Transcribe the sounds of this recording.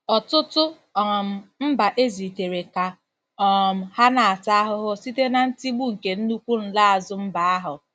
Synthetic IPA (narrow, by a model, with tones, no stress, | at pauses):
ɔ˨tʊ˦tʊ˦ | ɔ˨m̩˨m̩˦ba˨ʔe˦zi˨te˨ɾe˨ka˨ | ɔ˨m̩˨ha˦na˨a˨ta˦a˦ɦʊ˦ɦʊ˦si˦te˦na˨n̩˦ti˦ɡ͡bu˦ŋ̩˨ke˨n̩˦nu˦kʷu˦n̩˨la˦a˨zʊ˦m̩˦ba˨a˦ɦʊ˨